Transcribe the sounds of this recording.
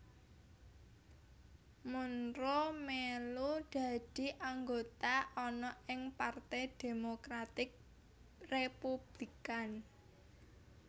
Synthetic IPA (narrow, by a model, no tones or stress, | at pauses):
munɾomelud̪̥ä̤d̪̥i̤ʔaŋɡot̪aʔɔnɔɪŋpart̪ɛd̪̥e̤mokɾat̪ɪk̚ | repub̥likan